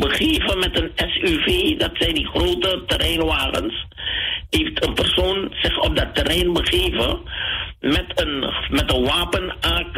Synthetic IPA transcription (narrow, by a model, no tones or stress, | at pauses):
bəχeːvəmɛtənɛsyveːdɑtsɛjndiχroːtətərɛjnʋaːχə̰ns | ɦeːftʰənpɛrsoːnz̥ɪχɔp̚dɑtːərɛjnbəχeːvə̰ | mɛtənmɛtənʋaːpənaːk